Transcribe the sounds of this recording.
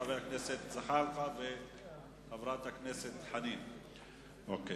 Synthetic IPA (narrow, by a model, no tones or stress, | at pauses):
aveakneset̪zaχaɾtave | tavɾat̪aknese̞t̪ħanim | ʔoke